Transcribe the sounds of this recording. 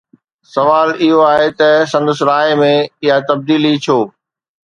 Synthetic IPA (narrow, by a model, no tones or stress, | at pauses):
sɐʋaːlɪɦoaːɦet̪ɐsɐ̃nd̪əsɾaːemẽɪɦat̪ɐb̚d̪iːlit͡ɕʰoː